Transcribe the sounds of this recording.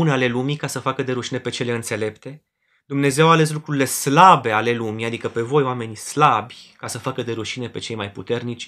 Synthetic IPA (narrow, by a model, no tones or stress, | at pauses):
uneale̞lumikasəfakəd̪e̞ɾuʃine̞pe̞t͡ʃe̞le̞ɨnt̪se̞le̞pt̪e̞ | d̪umne̞ze̞wale̞s̬lukɾuɾile̞slabe̞ale̞lumiad̪ikəpe̞vo̞joame̞nislabʲkasəfakəd̪e̞ɾuʃine̞pe̞t͡ʃe̞jmajput̪e̞rnit͡ʃʲ